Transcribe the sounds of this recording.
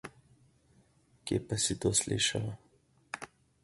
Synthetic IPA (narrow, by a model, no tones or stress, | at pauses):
kjḛːpasit̪oːslḭːʃalɔ